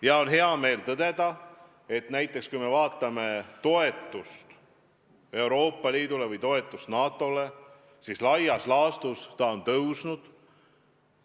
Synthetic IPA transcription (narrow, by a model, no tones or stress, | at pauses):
jɑo̞nɦe̞ɑme̞ːlt̪ɤd̪̥e̞d̪ɑ | e̞t̪næjt̪ˑːe̞kskujme̞vɑːt̪ːˑɑme̞t̪o̞e̞t̪ːˑust̪ | e̞wɾo̞ːpːˑɑliːd̪̥ule̞vɯjt̪o̞e̞t̪ːˑust̪nɑːt̪ːˑo̞le̞ | sislɑjɑslɑːst̪ust̪ɑo̞nt̪ɤwsnud̪̥